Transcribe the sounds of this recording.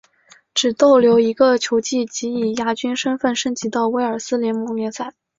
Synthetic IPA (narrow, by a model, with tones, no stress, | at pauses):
ʈ͡ʂɻ̩˨˩t̪o˥˩ʊljo˧˥ʊi˧˥ɡə˧t͡ɕʰjo˧˥ʊt͡ɕi˥˩t͡ɕi˧˥i˨˩ja˥t͡ɕy˥nʂə˥nfə˥˩nʂə˥nt͡ɕi˧˥t̪ɑ˥˩ʊwe˧˥ɪə˞˨˩sɹ̩˥ljɛ˧˥nmɔ˧˥ŋljɛ˧˥t͡sʰa˨˩˦